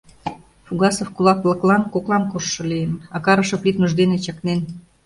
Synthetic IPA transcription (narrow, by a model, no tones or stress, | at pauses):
fuɣɑsofkulɑklˠɤ̆klɑnkoklˠɑmkoʃːɤ̆lijənɑkɑɾɤ̆ʃɤ̆pit̪muʒd̪enet͡ɕɑknen